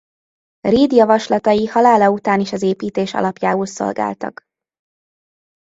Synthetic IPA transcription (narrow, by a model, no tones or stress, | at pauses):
riːd̪jɒvɒʃlɒt̪ɒjihɒlaːlɒut̪aːniʃɒzeːpiːt̪eːʃɒ̰lɒpjaːulso̞̰lɡa̰ːlt̪ɒ̰k